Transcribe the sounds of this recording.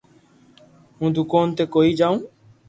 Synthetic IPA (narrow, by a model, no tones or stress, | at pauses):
ɦũːd̪ʊkoːnt̪eːkoːiːd͡ʒaːũː